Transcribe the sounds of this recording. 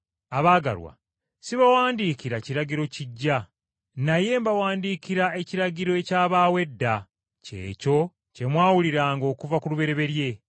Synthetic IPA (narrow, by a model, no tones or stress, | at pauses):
aβaːɡa̰ɾwa̰ | siβawaːndiːkiɾaciɾaɟiɾo̞ciɟːa | naje̞mbawaːndiːkiɾae̞ciɾaɟiɾo̞ecaːβaːwe̞dːa | ce̞̰ːco̞ | ce̞mwaːwuliɾaːŋɡo̞ːkuvakuluβe̞ɾe̞βe̞ɾje̞